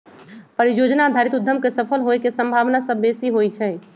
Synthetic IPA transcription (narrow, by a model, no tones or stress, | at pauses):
pəɾijod͡ʒnad̪ʱaɾit̪ud̪ʱːəmkesəpʰəlɦojkesəmbʱaʋnasəbːesiɦojt͡ʃʰɛ